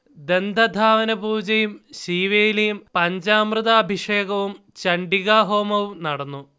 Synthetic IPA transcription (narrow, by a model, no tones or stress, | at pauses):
d̪e̞nd̪ʱɐd̪ʱaːʋɐnɐbuːd͡ʑɐjumɕiːʋejilejumpɐɲd͡ʑaːmrɨðaːbʱiʂeːɡɐʋum | t͡ɕɐɳɖiɣaːɦo̞ːmɐʋumnɐɽɐnːu